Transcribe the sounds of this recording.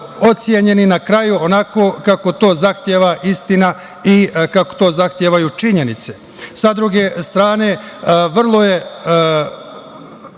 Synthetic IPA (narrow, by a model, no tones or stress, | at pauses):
o̞t̪sjeɲe̞ninakɾajuonako̞ːkako̞t̪o̞ːzaxt̪jeːʋaʔist̪ina | ikako̥t̪o̞ːzaxt̪jeːʋajut͡ʃiɲe̞nit̪se̞ | sad̪ɾuɡe̞st̪ɾaːne̞ʋr̩lˠo̞je̞